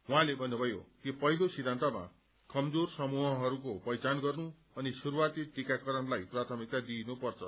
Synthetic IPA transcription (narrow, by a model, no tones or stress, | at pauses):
wɦãlebʱʌnːubʱʌjo̰t̪epʌɦilosid̪ʱːant̪ama̰ | kʌmd͡zorsʌmuɦʌɦʌɾukopʌjt͡sanɡʌrnu | ʌnisuɾuwat̪iʈikakʌɾʌnlajprat̪ʰʌmik̚t̪ad̪inupʌrt͡sʰʌ